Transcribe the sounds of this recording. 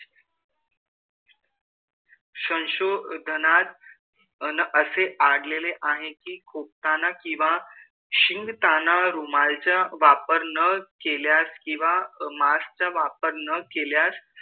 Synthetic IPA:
ɕə̃nɕod̪ʱənat̪ | nʔəseʔaɽleleʔaɦekiːkʰop̚t̪anakĩw̃ʋa | ɕiŋɡt̪anaɾumalt͡ɕjaʋapəɾnəkeljaskĩʋamast͡ɕaʋapəɾnəkeljas

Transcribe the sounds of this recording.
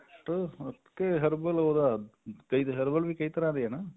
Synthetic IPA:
ʈɐt̪kːeɦɐɾbɐloːd̪akɐjt̪ɦɐɾbɐlʋikɐjt̪ɐɾaːd̪jeːna

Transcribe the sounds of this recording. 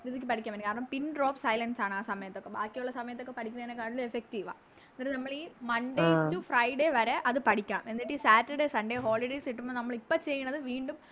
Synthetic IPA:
ɾiðik̬ʲːɨpɐʈikʲːamenkaːɾɐɳɐmpinɖro̞ːpsɐjlɐnsaːɳɨaːsɐmɐjɐt̪ːo̞kːebaːkːijuɭːɐsɐmɐjɐt̪ːokːe̞pɐʈʰikʲːunɐðinekːaːʈːilefek̚tiːʋa̰ː | nɐɾnɐmːɐɭiːmɐnɖejt͡ɕːufrɐjɖeʋɐɾeʔɐðɨpɐʈikʲːaːme̞nːiʈːisaːtːɐɖesɐɳɖeːɦo̞ːɭiɖejsiʈːumːoːnɐmːɐɭipːot͡ɕe̞jːuɳːɐðɨʋiːɳɖum

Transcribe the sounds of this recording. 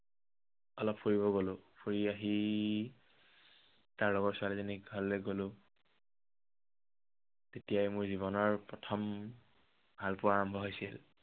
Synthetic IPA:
ɔlɔpʰpoɹiβɔɡolʊ̃pʰoɹiaɦi | taɹlɔɡɔtsʊaleziniɡʱɔlːeɡolʊ̃ | tetijajmʊɹziβɔnɔɹpɹɔtʰɔm | bʱalpʊɹaɹɔmbʱɔɦojsḭl

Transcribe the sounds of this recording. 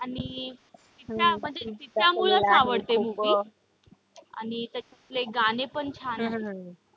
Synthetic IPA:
anit̪it̪ɾjam̤əɳd͡zet̪it̪ɾjamulasaʋəɽt̪em̤uki | a̰nit̪a | pleɡanepəɳt͡ɕʰana

